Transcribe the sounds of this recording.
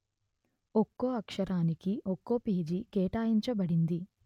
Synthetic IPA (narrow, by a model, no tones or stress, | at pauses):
okːoːɐkʂɐɾaːnikiʔokːoːpiːd͡ʒikeːʈaːjiɲt͡ʃɐbɐɽind̪i